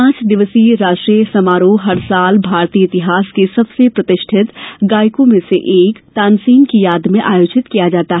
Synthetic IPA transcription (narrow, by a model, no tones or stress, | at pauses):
ãːt͡ʃd̪ɪʋəsiɾaːʃʈɾijsɐmaːɾuɦɐɾsaːlbʱaːɾt̪iːəɪt̪ɪɦaːskesɐbsepɾɐt̪ɪʃʈʰɪt̪ɡaːjkõmẽseʔeːkt̪ãːnsiːnkijaːd̪mẽʔaːjoːd͡ʒɪt̪kijad͡ʒaːt̪aɦɛ